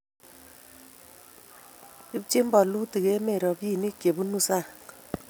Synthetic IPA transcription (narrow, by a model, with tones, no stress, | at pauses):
i˦b̚t͡ʃe˦m˦bɔ˨lu˦ti˨ke˦me˨ɾɔ˨bji˦˨ni˦kje˨bu˦nu˦sa˦˨